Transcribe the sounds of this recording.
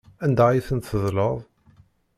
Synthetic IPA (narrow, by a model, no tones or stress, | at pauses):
ænd̪æʕjiθənt̪ːəðləðˤ